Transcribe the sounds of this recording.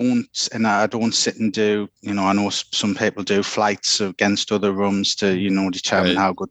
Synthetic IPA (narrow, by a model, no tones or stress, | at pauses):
õʊ̃ntɪ̃nəaɪdõːntsɪʔn̩dʉjənoʊaɪnoːsʊ̃mpʰiːˑpəl̩ˠdəflaɪtsəɡ̥ɛ̃nstʊðəɹʊ̃mz̥tʰəjənoʊdɪtʰɜːmmɪ̃nhaʊɡʊd